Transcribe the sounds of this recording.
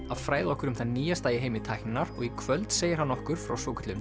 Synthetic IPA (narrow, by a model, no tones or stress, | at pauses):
aðfɾaːjðaɔhkʏɾʏmθaðniːjast̪aːjɪɦeːjmɪt̪ʰajknnaɾɔ̰ɣikʰvœlt̪seːjɪɾ̥hanːɔhkʏɾ̥fɾa̰wsoːwkʏ̥t̪lʏm